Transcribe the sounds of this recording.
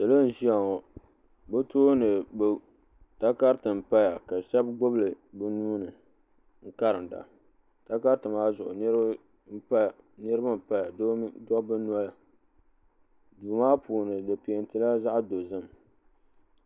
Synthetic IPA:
sɨ˨lo˦n̩˨ʒi˦a˨ŋɔ˨ | bɛ˦toː˦nɨ˨bo˦ | ta˦ka˦ɾtɨ˨m̩˨pa˦ja˨ka˨sɛ˦bɡo˦blɨ˨bɨ˦nuː˦nɨ˨ | ŋ̩˦ka˦ɾɨ˨da̰˨ | ta˦ka˦ɾtɨ˨maː˦zʊ˨ʔʊ̰˨n˦ | m̩˦pa˦˨ | nɨ˦ɾɨ˦ba˦m̩˨pa˦ja˨ddɔ˦bɨ˦nu˦a˦la˨ | duː˨maː˦puː˨nɨ˨dɨ˨pi˨e˨ntɨ˨la˦za˦ʔdo˨zɨ˦m

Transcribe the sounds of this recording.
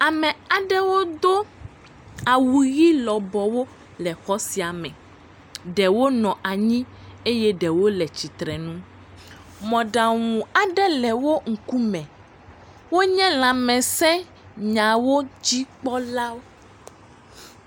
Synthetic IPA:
a˨mɛ̃˨a˨ɖɛ˦wo˦d̪o˦ | a˨wu˨ɣi˦lɔ˨bɔ˨wo˦ | lɛ˨xɔ˦si˨a˨mɛ̃˨ | ɖɛ˨wo˦nɔ̃˨ʔa˨ɲĩ˦ | e˦jɛ˦ɖɛ˨wo˦lɛ˨t͡ɕi˨t̪ɾɛ˨nũ˦ | mɔ̃˨ɖa˨ŋũ˨a˨ɖɛ˦lɛ˨wo˦ŋ̩˨ku˦mɛ̃˨ | wo˦ɲɛ̃˦l̃ã˨mɛ̃˨sɛ̃˦ | ɲã˨wo˦d͡ʑi˦k͡pɔ˦la˦wo˦

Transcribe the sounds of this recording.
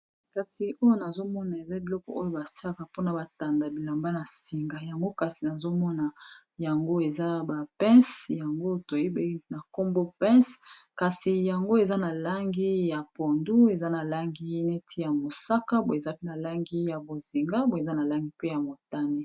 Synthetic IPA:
ka˨si˨o˦jo˦na˨zo˦mɔ˦na˨e˨za˦bi˨lɔ˦kɔ̰˨ʔo˦jo˦ba˨sa˦a˦ka˨po˦na˨ba˨ta˨nda˨bi˨la˨mba˦na˨si˨ŋɡa˨ja˨ŋɡo˦ka˨si˨na˨zo˦mɔ˦na˨ | ja˨ŋɡo˦e˨za˦ba˨pɛ̃˦sja˨ŋɡo˦to˨je˦be˦i˦na˨ko˦mbo˦pɛ̃˦s | ka˨si˨ja˨ŋɡo˦e˨za˦na˨la˦ŋɡi˦ja˨po˨ndu˦e˨za˦na˨la˦ŋɡi˦ne˦tʰi˦ja˨mo˨sa˦ka˦bo˨e˨za˦pe˦na˨la˦ŋɡi˦ja˨bo˨zi˨ŋɡa˦bo˨e˨za˦na˨la˦ŋɡi˦pe˦ja˨mo˨ta˦ne˦

